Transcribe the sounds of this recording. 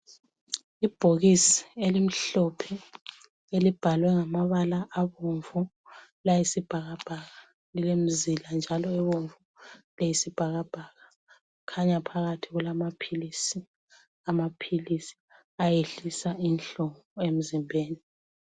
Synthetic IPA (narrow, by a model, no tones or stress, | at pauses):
ib̥ʱoɣisi̥elim̩ɬɔpʰɛ | elib̥ʱalwɛŋamaβalaʔːβoɱvu | lajisib̥ʱaɣab̥ʱaɣa | lilem̩ziland͡ʒʱalɔɛβoɱvulejisib̥ʱaɣab̥ʱaɣa | kʰaɲapʰaɣatʰiɣulamapʰilisi | amapʰilisi̥ | ajeɬisainɬɔŋɔem̩zimbʱeːni